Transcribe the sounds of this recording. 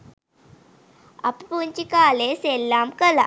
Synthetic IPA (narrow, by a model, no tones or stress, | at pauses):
ɐpipuɲt͡ʃikaːleːselːaːmkɐla̰